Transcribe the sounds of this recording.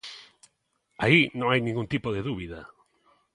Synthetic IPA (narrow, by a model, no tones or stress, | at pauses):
ainõŋajnĩŋɡunt̪ipoðeðuβiðɐ